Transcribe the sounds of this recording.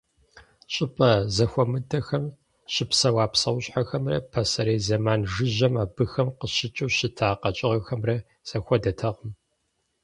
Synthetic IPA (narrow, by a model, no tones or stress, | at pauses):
ɕʼɪpʼɐzɐxʷɔmɨdɐxɐm | ɕɪpsɐwaːpsɐwɕʼħaxɐmrɐ̰pʰɐsɐɾeːjzɐmaːnʒɨʑɐmaːbɨxɐmqəɕɪt͡ʃʼuwɕɪtʰaːqɐt͡ʃʼɪʁɐxɐmrɐ | z̥ɐxʷɔdɐtʰɐʁəm